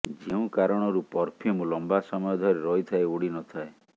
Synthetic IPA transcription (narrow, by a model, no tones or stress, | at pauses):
d͡ʒeũkaɾɔɽ̃ɔɾupɔɾpʰimulɔmbasɔmɔjɔd̪ʱɔɾeɾɔɦit̪ʰaeuɽinɔt̪ʰae